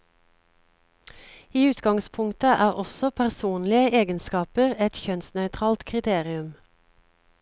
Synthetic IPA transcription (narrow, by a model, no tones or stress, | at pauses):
iːʉːt̪ɡɑŋspʰʊŋt̪əʔæːʁɔsɔpʰæʁsuːnlɪəʔeːɡənskɑːpəʁɛt̪çœnsnœʏt̪ʰʁɑːlt̪kʰʁɪt̪ʰeːʁɪʉm